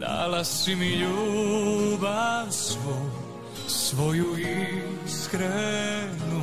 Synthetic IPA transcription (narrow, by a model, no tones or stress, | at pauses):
d̪a̰ːlasimiʎu | bansʋɔ | sʋɔjuiskɾɛnu